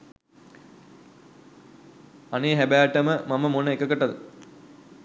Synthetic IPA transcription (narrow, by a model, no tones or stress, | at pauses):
ɐneːɦæbæːʈːɐməmɐmɐmonːəekːəkːəʈːɐðɨ